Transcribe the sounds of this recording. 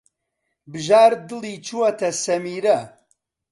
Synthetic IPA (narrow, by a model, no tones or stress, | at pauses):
bɨʒaːɾd̪ɨlit͡ʃʰuwɐt̪ʰɐsɐmiːɾɐ